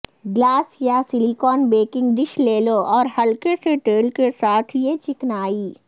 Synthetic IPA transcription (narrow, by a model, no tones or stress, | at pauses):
ɡlaːsjasɪlikɔːnbeːkɪ̃ŋɡɖɪʃleːloʔɔːɾhɐlkeseʈeːlkesaːt̪ʰjet͡ʃɪknaːiː